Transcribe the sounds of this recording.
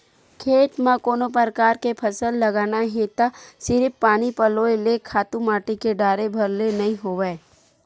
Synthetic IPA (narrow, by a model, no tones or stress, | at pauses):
kʰeːʈ̪mãkoːnop̬əɾkaːɾkepʰɐsəlːɐɡaːnaɦẽt̪asɪɾɪpːaːnipɐloːelekʰaːt̪ũmaːʈikeɖaːɾebʱɐɾlenɐɦĩɦoːʋeː